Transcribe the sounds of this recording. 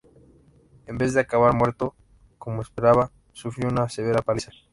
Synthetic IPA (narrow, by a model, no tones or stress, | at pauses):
e̞mbezðe̞akaβaɾmwe̞ɾt̪o̞ | ko̞moespe̞ɾaβa | sufɾjounase̞β̞e̞ɾapalisa